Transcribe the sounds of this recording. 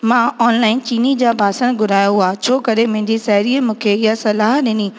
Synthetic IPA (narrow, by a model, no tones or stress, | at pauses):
mãːɔːnlaːɪnt͡ɕiːnid͡ʑaːbʱaːsəɽ̃ɡʱʊɾaːjoɦaːt͡ɕʰoːkɐɾemɐ̃ɦɪ̃ɲd͡ʑisɛɦɾiːəmũːkʰeɪɦasɐlaːɦɗɪniː